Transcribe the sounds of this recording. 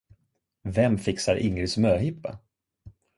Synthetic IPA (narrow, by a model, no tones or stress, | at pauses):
vɛmfɪksaɾʔɪŋːəsmøːɦɪpːa̰